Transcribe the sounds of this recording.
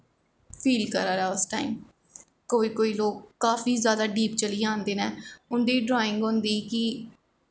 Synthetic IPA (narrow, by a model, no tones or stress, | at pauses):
pʰiːlkəɾaːɾɛːʊsʈaːiːm | koːiːkoːiːloːkːaːfiːzjaːd̪aːɖiːp̚t͡ʃəliːãːnd̪eːnɛːʊnd̪eːɖɾaːɪ̃ŋɡõːnd̪iːkɪ